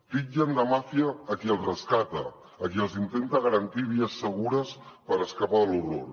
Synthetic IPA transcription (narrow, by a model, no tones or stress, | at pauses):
pid͡ʒənd̪əmafiəːkiəlˠzrəskat̪ə̰ː | kiəlˠzint̪ent̪əɣəɾənt̪iβ̞iəsːəɣ̞uɾəspəɾəskapaðluro̰l